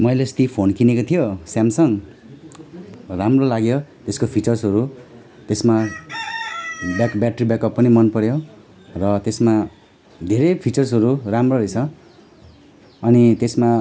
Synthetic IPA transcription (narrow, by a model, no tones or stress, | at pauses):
mʌjlest̪ipʰonkinekot̪ʰijosjamsʌŋ | ramrolaɡjot̪eskopʰit͡sʌrsɦʌɾu | t̪esma | bakbaʈribjakʌpːʌnimʌnpʌɾjo | rʌt̪esma | d̪ʱeɾʌjpʰit͡sʌrs̬ɦʌɾuramroɾejt͡sʰʌ | ʌnit̪esma